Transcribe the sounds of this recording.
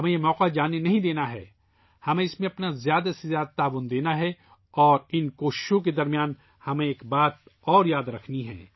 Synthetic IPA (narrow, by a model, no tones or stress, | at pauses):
ɦɐmẽjemɔːqad͡ʒaːnenɐɦĩd̪eːnaɦɛ̰ː | hɐmẽɪsmẽɐpnazjaːd̪asezjaːd̪at̪aːʋʊnd̪eːnaɦɛ | ɔːɾɪnkoːʃɪ̥ʃõk̬ed̪ɐɾmijaːn | hɐmẽeːkbaːt̪̚ɔːɾjaːd̪ɾɐkʰniɦɛ̰̃ː